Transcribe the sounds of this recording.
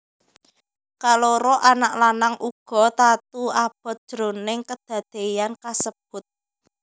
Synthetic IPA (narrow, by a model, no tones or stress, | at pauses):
kaloɾɔʔanaʔlanaŋʔuɡ̥ɔ̤t̪at̪uab̥ɔ̤t̪̚d̥ɾonɪŋkəd̪̥ä̤d̪̥e̤jankasəb̥̚ʊt̪̚